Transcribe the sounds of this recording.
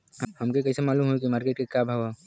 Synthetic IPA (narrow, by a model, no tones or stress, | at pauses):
hɐmkekɐisemaːluːmɦoek̬imaːɾkeːʈ̚kekabʱaʋa